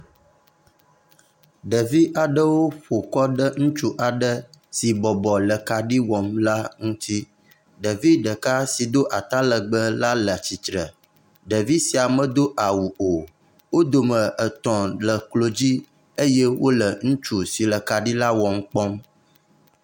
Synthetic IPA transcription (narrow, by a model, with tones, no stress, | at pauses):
ɖə˨vi˦ʔa˨ɖə˦wo˦ɸo˨kɔ˦ɖə˦ŋũ˦t͡ʃu˦ʔa˨ɖə˦si˨bɔ˨bɔ˨lə˨ka˨ɖi˦wɔ˨mla˦ŋũ˦t̪i˦ | ɖə˨vi˦ɖə˨ka˦si˨d̪o˦ʔa˨t̪a˦lə˨ɡ͡bə˦la˦lə˨t͡ɕi˨t̪ɾə˨ | ɖə˨vi˦si˨a˨mə˦˨d̪o˦ʔa˨wu˨ʔo˨ | wo˦d̪o˨mə˨ʔə˨t̪ɔ̃˨lə˨klo˦d͡ʑi˦ | e˦je˦wo˦lə˨ŋũ˦t͡ʃu˦si˨lə˨ka˨ɖi˦la˦wɔ˨m̩˦k͡pɔ˦m